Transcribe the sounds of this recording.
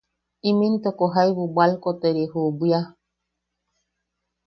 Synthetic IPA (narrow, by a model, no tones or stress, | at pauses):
ĩmĩnt̪okoɦajβubalkot̪eɾehubja